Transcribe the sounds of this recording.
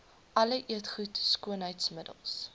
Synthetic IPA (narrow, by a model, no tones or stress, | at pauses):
ʔɐləʔiətχutskuənɦəjtsmədə̰lˠs